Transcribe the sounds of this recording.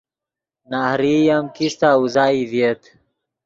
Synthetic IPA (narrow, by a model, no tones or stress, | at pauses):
nahɾijamkist̪auzaːivjet̪